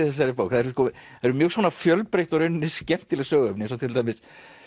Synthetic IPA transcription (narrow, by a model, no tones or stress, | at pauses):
ɪθɛs̬aɾɪpoːwkθaðɛɾskɔ | aɛɾʏmjœːɣsvɔːnafjœlpɾejht̪ɔɾœɥnʏnɪscɛm̥t̪ɪlɛsœːɣœpnɪɛns̬ɔwt̪ʰɪlt̪ʰajmɪs